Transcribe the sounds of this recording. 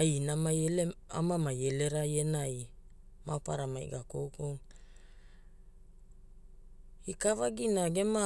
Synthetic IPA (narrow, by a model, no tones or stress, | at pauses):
ajnamajelea̰mamaje̞le̞ɾajenaj | mapaɾama̰j̰ɡakowkoŋ | ikavaɡinaɡe̞ma